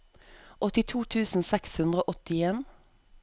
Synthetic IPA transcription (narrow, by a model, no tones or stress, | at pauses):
ʔɔt̪ɪt̪ʰuːt̪ʰʉːsn̩sɛkshʉnd̪ʁəoːʔɔt̪ɪeːn